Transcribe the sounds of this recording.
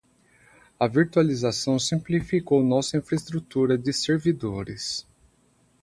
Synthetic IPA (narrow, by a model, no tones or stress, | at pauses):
ɐviɾt̪ualizasɐ̃w̃sĩplifikownɔsɐĩfɾɐist̪ɾut̪uɾɐd͡ʒɪseɾvid̪oɾɪ̰s